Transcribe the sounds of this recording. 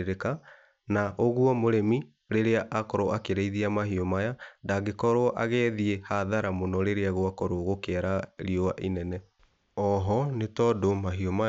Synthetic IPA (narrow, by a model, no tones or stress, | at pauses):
ɾeka | naʔoɣuɔmoɾemi | ɾeɾeaʔakɔɾoʔakeɾeiðiamaɦiɔmajadaɡekɔɾoɔʔa̰ɣɛðiehaðaɾamonɔɾeɾeaɣoakɔɾoɣokeaɾaɾiɔaʔinɛnɛ | ɔɦɔnetɔdomaɦioma